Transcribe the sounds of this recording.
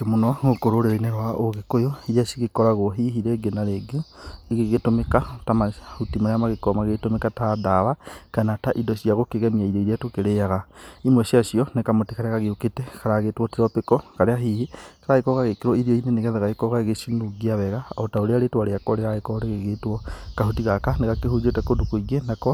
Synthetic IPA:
kemonɔokoɾoɾeɾeinɛɾwaʔoɣekojɔiɾjaʃiɣekɔɾaɣoɦiɦiɾeɡenaɾeɡeeɣeɣetomekatamahutimaɾjamaɣekɔmaɣetomekatadaβakanataʔidɔʃiaɣokeɣɛmiaiɾeiɾatokeɾejaɣaimweʃiaʃiɔnekamotikaɾeɣaɣeuketɛkaɾaɣetwɔtiɾɔpekɔkaɾeaɦihikaɾaekɔkaɣekeɾwɔiɾioineneɣɛðaɣaekɔkaeɣeʃinuɡiaβɛɣaotaoɾeaɾetwaɾeakɔɾeɣaekɔɾeɣeɣetwɔkahutiɣakaneɣakeɦud͡ʒetakodukoiɡenakɔ

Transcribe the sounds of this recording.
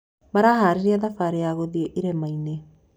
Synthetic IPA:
maɾaːɦaːɾiɾiaðafaɾeaɣoðieʔiɾemajne

